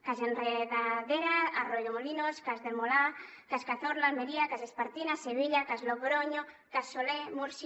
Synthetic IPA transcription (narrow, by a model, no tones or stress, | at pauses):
kazenreðaðeɾaaroʎomolinoskazðemola | kaskaθoɾlalmeɾiakaʃespaɾt̪inaseβiʎakazloβɾoɲo | kassolemuɾs